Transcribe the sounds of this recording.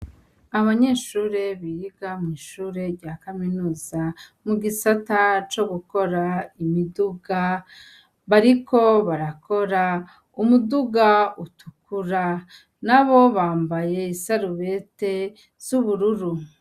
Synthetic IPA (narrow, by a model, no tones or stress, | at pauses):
aβaɲe̞ːʃuːɾe̞βijiɡamŋiːʃuːɾe̞ɾɟaːkaminuːzamuɡisatat͡ʃo̞ɡuko̞ɾaimiduɡa | βaɾikʰo̞βaɾako̞ɾa | umuduɡautukuɾa | naβo̞βaːmbaje̞isaɾuβete̞ | z̥uβuɾuɾu